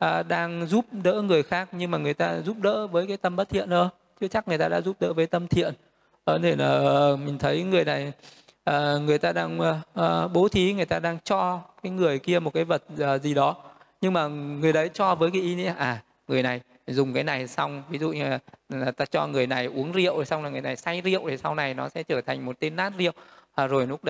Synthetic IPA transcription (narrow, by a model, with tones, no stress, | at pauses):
ʔəː˨˩ɗaː˧ŋzu˦˥p̚ɗə̰ː˧˥ŋɨ˨˩əjxaː˦˥k̚ɲɨ˧ŋmaː˨˩ŋɨ˨˩əjt̪aː˧zu˦˥p̚ɗə̰ː˧˥vəː˨˦jkaː˨˦jt̪ə˧mɓə˦˥t̚t̪ʰḭ˧˨ənʔəː˧˩ | t͡ɕɨ˦˥t͡ɕa˦˥k̚ŋɨ˨˩əjt̪aː˧ɗa̰ː˧˥zu˦˥p̚ɗə̰ː˧˥vəː˨˦jt̪ə˧mt̪ʰḭ˧˨ən | ʔə˨˩t̪ʰe˧˩naː˨˩ʔə˨˩mï˨˩ŋ̟t̪ʰə˨˦jŋɨ˨˩əjna˨˩j | ʔəː˨˩ŋɨ˨˩əjt̪aː˧ɗaː˧ŋʔɓo˨˦t̪ʰi˨˦ŋɨ˨˩əjt̪aː˧ɗaː˧ŋt͡ɕɔ˧kaː˨˦jŋɨ˨˩əjki˧əmo˨˩t̚kaː˨˦jvə˨˩t̚ːzi˨˩ɗɔ˨˦ | ɲɨ˧ŋmaː˨˩ŋɨ˨˩əjɗə˨˦jt͡ɕɔ˧vəː˨˦jkaː˨˦ʔi˧nḭ˧˥əʔaː˨˩ | ŋɨ˨˩əjna˨˩j | zʊ˨˩ŋ͡mkaː˨˦jna˨˩jsa˧wŋ͡mvi˨˦zṵ˧˨ɲː˧˨˩aː˨˩t̪aː˧t͡ɕɔ˧ŋɨ˨˩əjna˨˩jʔu˨˦əŋzḭ˧˨əwsa˧wŋ͡mlaː˨˩ŋɨ˨˩əjna˨˩jsa˧jzḭ˧˨ə˨wʔɗʰe˨˩sa˧wna˨˩jnɔ˨˦sɛ̰˧˥t͡ɕəː˧˩t̪ʰa˨˩jŋ̟mo˨˩t̚t̪e˧nːaː˦˥t̚zḭ˧˨ə˨wa˨˩zo˨˩jnu˦˥əɗ